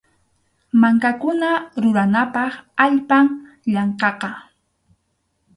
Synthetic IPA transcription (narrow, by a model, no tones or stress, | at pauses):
maŋkakʊnaɾʊɾanapɑχaʎpaŋ | ʎɑɴqɑqɑ